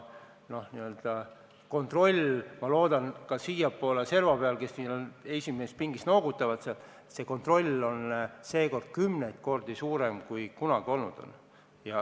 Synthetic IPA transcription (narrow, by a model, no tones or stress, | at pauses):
no̞hniø̞ld̪̥ɑ | ko̞nt̪ro̞lʲmɑlo̞ːd̪̥ɑnkɑsijɑpːˑoːlese̞rvɑbpeɑlke̞snilone̞sʲimeːs̚piŋɡist̪noːɡ̥ut̪ːˑɑvɑt̪seɑt̪ | se̞ko̞nt̪ro̞lʲːo̞nse̞ːko̞rd̪̥̚kymnejt̪̚ko̞rd̪̥isuːɾe̞mkujkunɑɡ̥io̞lnud̪̥o̞̰n | jɑ